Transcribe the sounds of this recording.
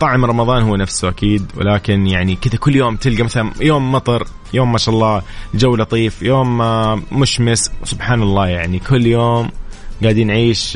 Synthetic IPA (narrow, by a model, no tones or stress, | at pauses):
t̪ˤɑʕɪmɾˤɑmɑðˤɑːnhʊwːnafsuʔa̰kiːd̪wɪ̰laːkɪnjaʕnikɪðakʊlːjoːmt̪ɪlɡamaθalanjoːmːɑt̪ˤɑɾ | joːmːaːʃaːʔɑlˤːɑːd͡ʒawːlɑt̪ˤiːfjoːmː | ʊʃmɪswsʊbħaːnɑlˤːɑːjaʕnikʰʊlːjoːmɡaːd̪iːnʕiːʃ